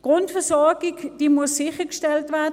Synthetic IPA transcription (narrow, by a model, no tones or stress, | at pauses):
ɡ̥ʁʊntfɛɐsɔɐɡɪkd̥iːmuəsːɪxəkʃtɛltvɛɐd